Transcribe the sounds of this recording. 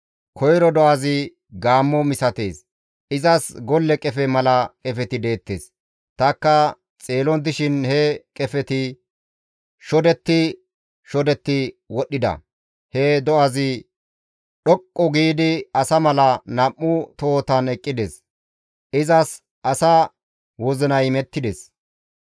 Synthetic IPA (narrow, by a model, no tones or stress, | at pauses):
kʰɔjɾɔd̪ɔʔɐzɪ | ɡaːmːɔmɪsɐt̪e̞ːs | ʔɪzɐsɡɔlːɛkʼɛfɛmɐlɐkʼɛfɛt̪ɪd̪e̞ːt̪ːḛːs | t̪ɐkːɐ | t͡sʼeːlɔnt̪̬ːɪʃɪnhɛkʼɛfɛt̪ɪ | ʃɔd̪ɛt̪ːɪ | ʃɔd̪ɛt̪ːɪ | wɔɗːɪd̪ɐ̰ | hɛd̪ɔʔɐzɪ | ɗɔkʼːɔɡiːd̪ɪɐsɐmɐlɐnɐmːʊt̪o̞ːt̪ɐnɛkʼːɪd̪es | ʔɪzɐs | ʔɐsɐ | wɔzɪnɐjmɛt̪ːɪd̪es